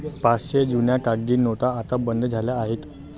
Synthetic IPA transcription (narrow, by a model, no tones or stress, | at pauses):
pasɕed͡ʑunjakaɡːiːnot̪aːt̪abənd̪ʱd͡zʱaljaːɦet̪